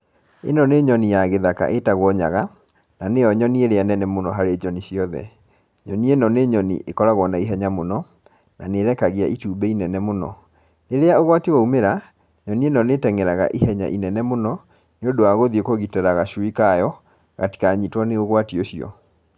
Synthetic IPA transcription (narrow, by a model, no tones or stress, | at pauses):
enɔneɲɔnijaɣeðaka̰ʔetaɣwɔɲa̰ɣa | nanejɔɲɔnieɾeanɛnɛmonɔɦaɾeɲɔniɕiɔðɛ̰ | ɲɔnienɔneɲɔnḭʔekɔɾaɣwɔnaiɦɛɲamonɔ | naneɾɛkaɣiaʔituːbɛinɛnɛmonɔ̰ | neɾeaoɣwatiwaumeɾa | ɲɔnienɔnetɛŋɛɾaɣa̰ʔihɛɲa̰ʔinɛnɛmonɔ | neodoaɣoðiekoɣitɛɾaɣaʃuikajɔ | ɣa̰ti̥kaɲitwaneɣoɣwatioɕiɔ̰